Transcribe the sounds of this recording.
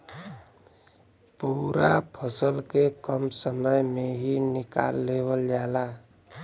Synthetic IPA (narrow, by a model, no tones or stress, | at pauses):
puːɾapʰəsəlkekəmsəməjmẽɦinɪka̰ːlːeːwəld͡ʒaːla